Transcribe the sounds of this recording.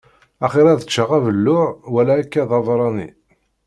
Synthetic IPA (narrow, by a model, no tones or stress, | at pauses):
æχɪɾˤæðət͡ʃːəʁævəlːʊʕwælæːkːæðɑðˤɾˤɑnḭ